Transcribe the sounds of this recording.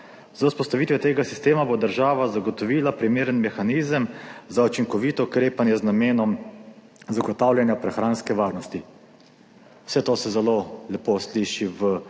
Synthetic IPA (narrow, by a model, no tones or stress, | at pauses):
zauspɔst̪aʋiːt̪ʋɛt̪eːɡasi̥st̪eːmabod̪əɾʒaːʋazaɡɔt̪ɔʋilapɾimeːɾənmɛxaniːzəmzaut͡ʃiŋkɔʋit̪ɔukɾeːpanjɛznameːnɔm | zaɡɔt̪awlʲjɛnjapɾɛxɾaːnskɛʋaːɾnɔst̪i | wsɛt̪oːsɛzɛlolɛposliʃiʋə